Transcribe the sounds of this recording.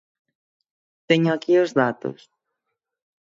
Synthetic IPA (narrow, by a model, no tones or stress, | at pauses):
t̪eɲoakiozðat̪o̰s